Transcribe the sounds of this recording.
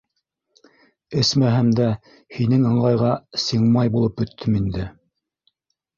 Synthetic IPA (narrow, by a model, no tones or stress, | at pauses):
ɘ̆smæɦæmd̪æ | hinɘŋɤ̆ɴʁɑjʁɑsiɴmɑjbulˠɤpɵ̆t̪ʰːɘmind̪ɘ